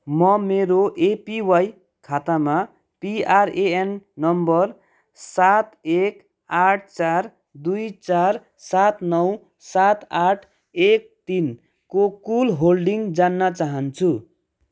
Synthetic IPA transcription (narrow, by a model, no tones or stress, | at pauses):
mʌmeɾoʔepiwaj | kʰat̪ama | piaɾeenːʌmbʌr | sat̪ek | aʈʰt͡sar | d̪ujt͡sar | sat̪nʌw | sat̪aʈʰ | ek̚t̪in | kokulɦolɖiŋd͡zanːʌt͡saɦʌnt͡sʰu